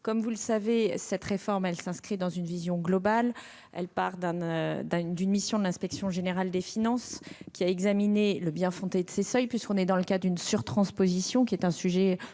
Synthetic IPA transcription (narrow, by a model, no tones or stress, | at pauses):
kɔmvuləsavesɛt̪χefɔʁmɛlsɛ̃skχid̪ɑ̃zynvizjɔ̃ɡlɔbal | ɛ̰lpaʁd̪ɛ̃d̪d̪ynmisjɔ̃d̪əlɛ̃spɛksjɔ̃ʒeneʁald̪efinɑ̃skʲiaɛɡzamineləbjɛ̃fɔ̃t̪ed̪əsesœjpɥiskɔ̃nɛd̪ɑ̃ləkad̪ynsyʁt̪χɑ̃spozisjɔ̃kʲiɛt̪ɛ̃syʒɛ